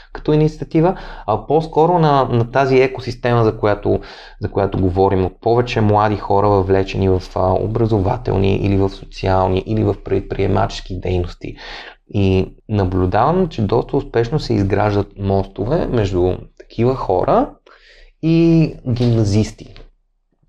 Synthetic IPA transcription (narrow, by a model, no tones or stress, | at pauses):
kɐ̥t̪ɔinit̪sʲiət̪ivəɐposkɔɾonɐnɐt̪aziɛkosist̪ɛməzɐkojat̪o | zɐkojat̪ʊɡovɔɾimot̪̚pɔvɛt͡ʃɛmlˠad̪ixɔɾəvɐvlɛt͡ʃɛnivɐfo̰bɾɐzova̰t̪ɛ̰lˠnḭʔḭlivɐfso̥t̪sialˠniʔilivɐfpɾɛt̪̚pɾiɛma̰t͡ʃɛ̥sk̟id̪ɛjnost̪ḭ | inɐblʲud̪avəmt͡ʃɛd̪ɔst̪əʊspɛʃnosɛizɡɾa̰ʒd̪ət̪̚mɔst̪ovɛmɛʒd̪ut̪ɐ̥kʰivəxɔ̰ɾʔə | iɡʲimnɐzist̪i̥